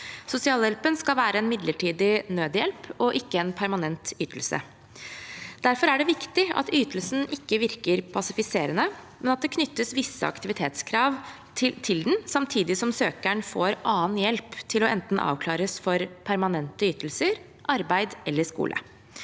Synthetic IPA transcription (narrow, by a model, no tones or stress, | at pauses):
sʊsɪɑːljɛlpənskɑlʋæːɾəɛnmɪd̪ləʈʰiːd̪ɪnøːd̪jɛlpɔʔɪkːəɛnpʰæɾmɑnɛnt̪yːt̪əl̩sə̰ | d̪̥æɾfɔɾæɖɛʋɪkt̪ɪɑ̰t̪yːt̪əlsn̩ʔɪkːəʋɪɾkəɾpʰɑsɪfɪseːɾənə | mɛnɑt̪̚d̪ɛkʰnʏt̪ːəsʋɪsːə̰ɑ̰kt̪ɪʋɪt̪ʰeːt̪skʰɾɑːʋʰ | ɪt̪ʰɪld̪n̩sɑmt̪ʰiːd̪ɪsɔmsøːkæɳfoːɾʔɑːnjɛlpt̪ʰɪlɔʔɛnt̪n̩ʔɑ̰ːʋkʰlɑːɾəsfɔɾpʰæɾmɑnɛnt̪əyːt̪əl̩səɾ | ʔɑɾbæɪd̪ɛlːəʂkṵːlʔə̰